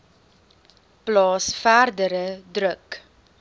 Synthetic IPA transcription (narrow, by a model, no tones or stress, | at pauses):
plɑːsfærdəɾədrək